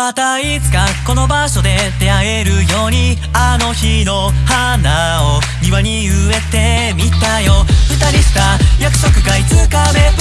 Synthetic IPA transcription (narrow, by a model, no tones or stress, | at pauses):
mat̪a | it͡sɨ̥kako̞no̞baɕo̞d̪e̞d̪e̞aɡe̞ɾɯ̟jo̞ːɲ̟i | ano̞çino̞hanːao | ɲ̟iβaɲ̟iɯe̞t̪e̞mʲit̪aijo̞ɯ̟t̪aɾʲiɕi̥t̪ajakɯ̟̥so̞kɯ̟ɡait͡sɨkab̪e